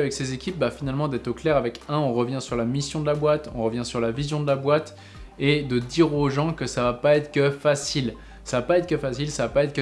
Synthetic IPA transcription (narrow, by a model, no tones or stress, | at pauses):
avɛksezekʲip̚bafinalmɑ̃d̪ɛt̪χoklɛʁavɛkɛ̃ɔ̃ʁəvjɛ̃syʁlamisjɔ̃d̪əlabwat̪ɔ̰̃ʁəvjɛ̃syʁlavizjɔ̃d̪əlabwat̪ | ed̪əd̪iʁoʒɑ̃kəsavapaɛt̪χkʲəfasil | savapaɛt̪χkəfasilsavapaɛt̪χkə